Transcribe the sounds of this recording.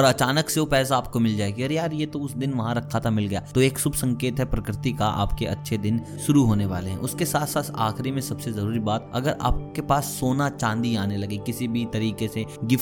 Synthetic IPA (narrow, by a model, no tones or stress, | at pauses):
ɔːɾɐt͡ʃaːnəkseopɛːs̬aaːp̚komɪld͡ʒaːeːɡiɐɾjaːɾjet̪oʊsd̪ɪnʋɐɦãɾɐkʰːat̪ʰamɪlɡɐjaːt̪oeːksʊbsɐ̃ŋkeːt̪ɦɛpɾɐkɾɪt̪ikaʔa̰ːpkeɐ̰tːʃʰed̪ɪn | ʃʊɾuɦoːneʋa̰ːleɦɛ̰̃ʔʊskesaːt̪ʰsaːt̪ʰa̰ːxɾimẽsɐbsezɐɾuːɾibaːt̪̚ɐ̰ɡəɾa̰ːp̚kepaːsːoːnat͡ʃãːnd̪iaːnelɐɡikɪsibʱit̪ɐɾiːkeseɡɪf